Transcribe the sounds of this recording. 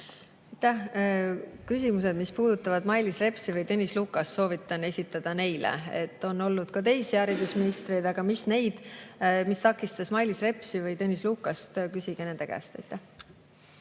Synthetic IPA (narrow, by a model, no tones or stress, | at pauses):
ɑjt̪ːˑæh | kys̬ʲimuse̞d̪mispuːd̪ut̪ːˑɑvɑd̪mɑjlisre̞psivɤjt̪ɤnʲisluːkːˑɑsːo̞ːvit̪ːˑɑne̞sʲit̪ːˑɑd̪̥ɑne̞jlḛe̞̰t̪ːo̞nːo̞lːud̪̥kɑt̪e̞jsæːɾid̪̥usminist̪rejd̪̥ɑɡ̥ɑmisne̞jd̪̥mist̪ɑkːˑist̪ɑsmɑjlisre̞psivɯjt̪enʲisluːkːˑɑst̪kysʲiɡ̥ene̞nd̪e̞kæ̰ːst̪ɑ̰jt̪ːˑæh